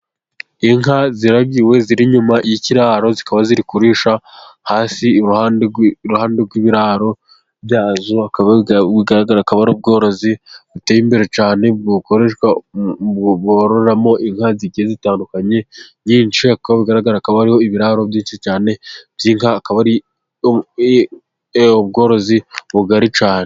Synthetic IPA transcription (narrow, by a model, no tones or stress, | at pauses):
iŋɦaziɾabɡiwe̞ziɾiɲumajiciɾaːɾo̞zikaβaziɾikuɾiːʃahaːsiɾuhanɾuhaːndeɾɡwiβiɾaɾo̞ | bjaːzoakaβaiɡaɾaɡaɾakaβaɾuːb̚ɡo̞ːɾo̞ziβuteːjimbe̞ɾe̞t͡ʃaːne̞ɡukoɾe̞ʃɡa | ɡoɾoɾamo̞ʔiŋhaziɟiezitaːndukaɲe̞ɲiːnʃiakaβaβiɡaɾaɡaɾakaβahaɾiho̞iβiɾaːɾo̞bjiːnʃit͡ʃaːne̞bjiːŋhaːkaβaɾi | obɡo̞ːɾo̞ziβuɡaɾit͡ʃaːne